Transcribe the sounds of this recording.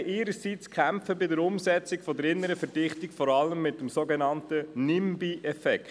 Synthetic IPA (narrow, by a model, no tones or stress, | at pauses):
ʔɪːɾəsit͡skʰχæmpfəbɪdəɾʊmsɛt͡sɪkfɔdəɾɪnːəɾəfəd̥ɪχtɪkfɔɾɑləmːɪtːəmsoɡɛnɑntənɪmbiʔɛfɛk